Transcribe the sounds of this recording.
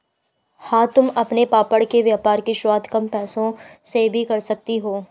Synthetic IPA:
hãːt̪ʊmɐpnepaːpəɽkeʋjaːpaːɾkeʃwaːd̪ʱkɐmpɛːsõsebʱikɐɾsɐk̚t̪iɦoː

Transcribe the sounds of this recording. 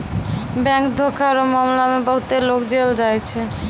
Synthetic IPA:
bɛ̃ŋkd̪ʱokʰaɾomamlamebɔɦut̪elokd͡ʒeld͡ʒajt͡ɕʰe

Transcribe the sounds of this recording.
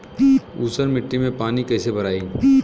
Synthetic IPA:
uːsəɾmɪʈːimẽpaːnikɛːsebʱɐɾaːi

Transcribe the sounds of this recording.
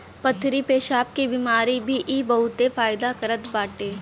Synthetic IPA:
pɐt̪ʰːɾipeːʃaːp̚kibiːmaːɾibʱiʔibɐɦʊt̪efaːɪd̪akɐɾət̪baːʈeː

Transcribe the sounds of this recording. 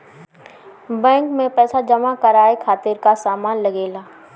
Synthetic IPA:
bɛ̃ːŋkmẽpɛːsad͡ʒɐmakɐɾaːekʰaːt̪ɪɾkasaːmaːnlɐɡeːlaː

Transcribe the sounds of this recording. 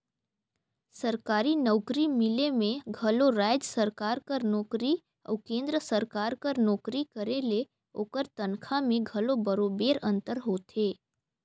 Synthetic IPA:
səɾkaːɾinɔʊkɾimɪlemẽɡʱɐloɾaːd͡ʒsəɾkaːɾkəɾnɔːkɾi | ɔ̰ːkẽːnd̪ɾəsəɾkaːɾkəɾnɔːkɾikəɾele | oːkəɾt̪ɐnkʰamẽɡʱɐlobəɾoːbeːɾə̃nt̪əɾɦoːt̪eː

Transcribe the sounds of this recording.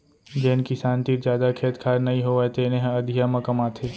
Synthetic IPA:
d͡ʒenkisaːnt̪iːɾd͡ʒjaːd̪akʰeːt̪kʰaːɾnɐĩɦoʋat̪eːnẽɦẽɐd̪ʱijamɐ̃kɐmaːt̪ʰeː

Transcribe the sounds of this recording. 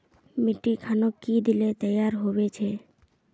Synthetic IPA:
miʈikʰanokid̪ilet̪əjaɾɦobet͡ʃʰe

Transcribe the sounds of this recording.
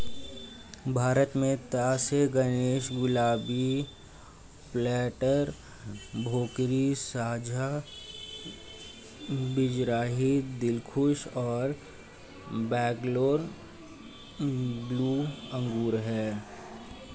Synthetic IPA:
bʱaːɾət̪mẽt̪aːseɡəneːʃɡʊlaːbi | plɛːʈəɾ | bʱoːkɾisaːd͡ʒʱa | bɪd͡ʒɾaːɦid̪ɪlkʰʊʃɔːɾ | bɛːkloːɾ | bluːə̃ŋɡuːɾɦɛː

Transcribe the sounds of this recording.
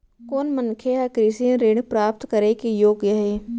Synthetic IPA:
koːnmənkʰeɦɐkɾiːsĩɾeːɽpɾaːp̚t̪kɐɾekejoːɡjaɦeː

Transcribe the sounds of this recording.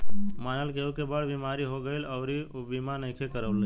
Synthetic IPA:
maːnəlkeokebəɽbimaːɾiɦoɡəilɐːɾibimanə̃kʰekəɾəʋl

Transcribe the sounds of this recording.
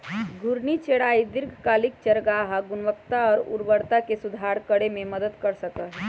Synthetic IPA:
ɡʱʊɾnit͡ʃeɽaːid̪ɪɾɡʱkaːlik̚t͡ʃəɾɡaɦaɡʊnʋəkt̪aɔːɾṵɾbəɾt̪akesud̪ʱaɾkəɽemẽməd̪əd̪kəɾsəkə

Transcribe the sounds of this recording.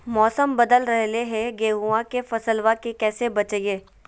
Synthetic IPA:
mɔːsəmbɐd̪əlɾɐɦleɦeɡeːɦuãkefɐsəlʋakekɛːsebɐt͡ʃəjeː

